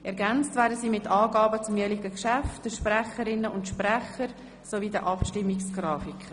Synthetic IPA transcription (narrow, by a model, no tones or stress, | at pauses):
ʔɛɾɡænt͡stvæːɾdəsiːmɪtɑːɡɑːbət͡sʊmøliɡəkʃæftd̥əʃprɛχəɾɪnːəʔʊntʃprɛχəɾ | sovidəʔɑpʃtɪmːɪksɡ̥rɑːfikʰə